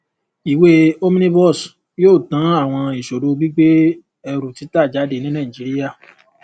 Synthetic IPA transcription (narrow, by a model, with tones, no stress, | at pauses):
i˨we˦o˦mĩ˦nĩ˦bɔ˦˨s | joː˦˨tã˨˦a˦˨w̃ɔ̃˧i˨ʃo˨ɾo˧bi˦ɡ͡be˦ | ɛ˧ɾu˨ti˨˦ta˦˨d͡ʒa˨˦de˧˨nĩ˦nã˦˨ĩ˨d͡ʒi˨˦ɾi˦a˦˨